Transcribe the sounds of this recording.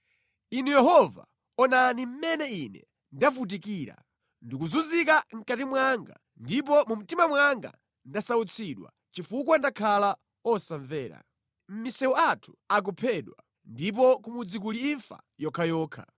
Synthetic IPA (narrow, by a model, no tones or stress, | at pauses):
inujɛɦɔva̰ | ɔnanim̩mɛnɛinɛ̰ | ndafut̬ikiːɾa̰ | ndik̬uzuzikaŋ̩katimwaŋɡa̰ | ndip̬ɔmum̩timamwaŋɡa̰ | ndasaut͡sʰiɗwa̰ | t͡ʃifuk̬wandakʰala | ɔsaɱvɛːɾa̰ | m̩misɛwɔatʰu̥ak̬ɔpʰɛɗwa | ndip̬ɔkumud͡zik̬uliiɱfa̰jɔkʰajɔːkʰa̰